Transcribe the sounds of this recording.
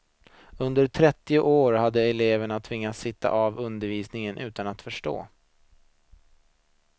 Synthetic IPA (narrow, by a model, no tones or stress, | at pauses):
ɵnd̪əɾʈʰɾɛt̪ːɪʊʔoːɾhad̪ːəɛleːvəɳat̪ʰvɪŋːat̪sɪt̪ʰːa̰ʔavɵnd̪əɾviːsnɪŋənʔʉ̟ːt̪anat̪fœʂʈo̰ː